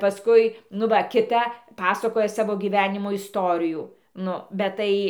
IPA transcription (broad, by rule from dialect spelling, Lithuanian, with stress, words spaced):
pɐˈskʊɪ nʊ ˈʋɐ kʲɪˈtɐ ˈpɑːsɐkoːjɛ ˈsɑːʋoː ɡʲiːˈʋʲæːnʲɪmoː ɪsˈtoːrʲɪjuː ˈnʊ bʲɛt ˈtɐɪ